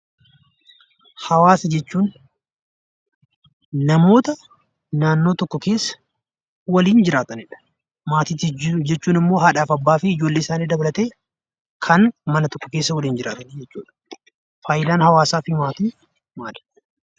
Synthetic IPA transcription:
hɐwaːsɐd͡ʒɛt͡ʃːuːn | ɐmo̞ːt̪ɐ | naːnːoːt̪ɔkːɔke̞ːsːɐ̥ | wɐliːnd͡ʒɪɾaːt̪ɐnɪᶑɐ̥ | maːt̪id͡ʒɛt͡ʃːuːnɪmːo̞ːɦaːᶑaːfɐbːaːfɪɪd͡ʒo̞ːlːeːɪsaːniːd̪ɐbɐlɐt̪eː | kʰɐnmɐnɐt̪ɔkːɔke̞ːsːɐwɐliːnd͡ʒɪɾaːt̪ɐned͡ʒɛt͡ʃːuːᶑɐ̥ | faːjɪd̪aːnhɐwaːsaːfɪmaːt̪iː | maːlɐ̥

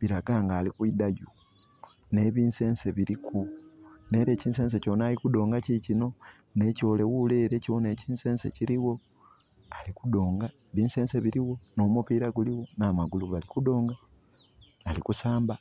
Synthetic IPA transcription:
βiɾaɡaŋɡaːlikwidaju | ne̞βiːnse̞ːnseβiɾikune̞ɾe̞ːciːnse̞ːns̬e̞co̞ːnaːlikudo̞ːŋɡacicino̞ | ne̞co̞ːle̞wuleɾe̞cione̞ːciːnse̞ːnse̞̰ciɾiwo̞ | alikudo̞ːŋɡaeβiːnse̞ːnse̞βiɾiwo̞no̞mupiɾaɡuliwo̞namaɡuluβalikudo̞ːŋɡaː | likusaːmba

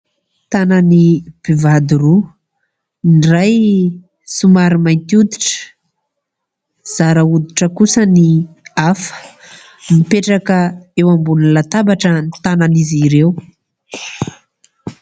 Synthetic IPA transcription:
t̪anaənib̥ivad̪uɾu | inraj | sumaɾimajnt̪ud̪iʈ͡ʂə̥ | z̥aɾəud̪iʈ͡ʂəkusəniafə̥ | mipeʈ͡ʂakəewambunulat̪abaʈ͡ʂənit̪ananiziɾew

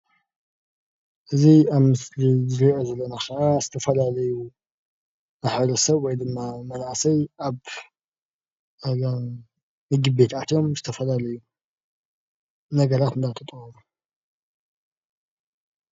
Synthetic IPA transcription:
ʔɨziaβmɨslizɨɾiʔozɐlːɐnaxɐʔaz̥ɨt̪ʰɐfɐlalɐju | aħɾɐsɐβwɔjd̪ɨmːamɐnaʔasɐjʔaβ | mɨɡɨbe̞t̪at̪jo̞mzɨt̪ʰɐfɐlalɐju | nɐɡɐɾat̪ɨnd̪at̪ʰɐt̪ʼɐwɐmu

